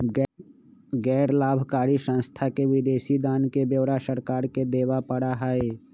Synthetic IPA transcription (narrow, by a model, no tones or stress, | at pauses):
ɡɛːɾlaːbʱkaːɾisə̃nst̪ʰakeʋɪd̪eːʃid̪aːnkebjeːɾasəɾkaːɾked̪eːʋapəɽaɦɛe